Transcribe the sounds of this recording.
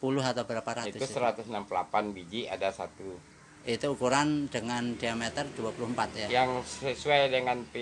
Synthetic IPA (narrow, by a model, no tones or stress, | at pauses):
pulʊɦat̪awbəlapaɾait̪ʊst̪usəɾat̪ʊsnampulapanbid͡ʒiadasat̪u | it̪uːkuɾandəŋandiamet̪ərduapuluhmpat̪jajaŋsəsuajdəŋanpi